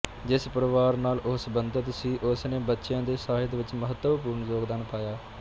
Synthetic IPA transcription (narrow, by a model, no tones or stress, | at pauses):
d͡ʒɪspəɾʋaːɾnaːlʔʊsbənd̪ət̪siːʔʊsneːbətːʃjãːd̪eːsaːɦɪt̪ʋɪt͡ʃməɦət̪wəp̬uːɾnzoːɡd̪aːnpaːjaː